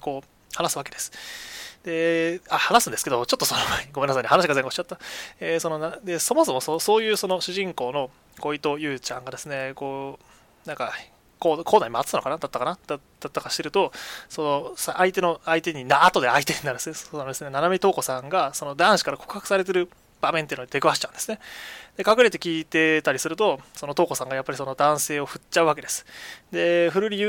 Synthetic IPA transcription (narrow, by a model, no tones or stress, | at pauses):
ko̞ː | hanasɨβake̞d̪e̞sɨ̥d̪̥e̞ahanasɨ̃nd̪esked̪o̞t͡ɕo̞t̪ːosonoɡomenːas̬aɲːihanaɕiɡazeŋɡoɕi̥t͡ɕat̪ːaeso̞nonad̪e̞so̞mo̞so̞mo̞soso̞ːjɯ̟ːso̞no̞ɕɨʑĩŋko̞ːno̞ | ko̞it̪o̞jɯ̟ːt͡ɕãŋɡad̪e̞sɨne̞koː | nãŋka | koːkʰoːnaɲimat͡sɨt̪anokanad̪at̪ːakanad̪a | d̪̥at̪ːakaɕi̥t̪e̞ɾɯ̟t̪oso̞no̞saʔait̪e̞no̞ait̪e̞ɲ̟inaːt̪o̞d̪eait̪e̞ɲinaɾd̪esɨnesond̪esɨne̞nanamʲit̪o̞ːko̞sãŋɡaso̞no̞d̪ãɰ̃ɕi̥kaɾako̞̥kɯ̟̥hakɯ̟̥saɾe̞t̪̬e̞ɾɯ̟ | b̥ame̞nt̪ei̟noi̥t̪e̞kɯβaɕi̥t͡ɕãɯ̃nd̪e̞sɨ̥ned̪e̞kakɯ̟ɾe̞t̪̬e̞kʲiːt̪e̞t̪aɾʲisɨɾɯ̟t̪o̞so̞no̞t̪o̞ːko̞sãŋɡajapːaɾʲiso̞no̞d̪ãɰ̃se̞ːo̞ɸɯ̟t͡ɕaɯak̬e̞d̪esɨ̥d̪e̞ɸɯ̟ɾɯ̟ɾʲiɯ